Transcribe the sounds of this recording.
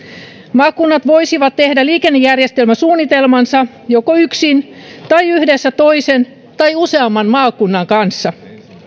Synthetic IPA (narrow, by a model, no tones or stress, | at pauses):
mɑːkːunːɑt̪ʋo̞jsiʋɑt̪tehdæliːkenːejærjest̪e̞lmæsuːnːit̪elmɑnsɑ | jokoyksin | t̪ɑjyhdesːæt̪o̞isen | t̪ɑjuse̞ɑmːɑnmɑːkːunːɑŋkɑnsːɑ